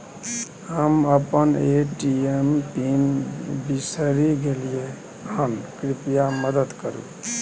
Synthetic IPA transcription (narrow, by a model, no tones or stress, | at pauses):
həməpəneʈiemʈimbisəɾiɡelije | ɦənkɾipijaməd̪əd̪kəɾṵ